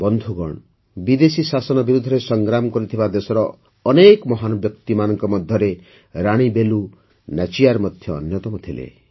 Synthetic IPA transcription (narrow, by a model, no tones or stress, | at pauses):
bɔnd̪ʱuɡɔɽ̃ | bid̪esisasɔnɔbiɾud̪ʱːɔɾesɔŋɡɾamɔkɔɾit̪ʰibad̪esɔɾɔː | nekmɔɦanɔbjɔkt̪imanɔŋkɔmɔd̪ʱjɔɾe | ɾaɽ̃ibelu | nat͡ʃijaɾmɔd̪ʱjɔ̰ːnjɔt̪ɔmɔt̪ʰilḛ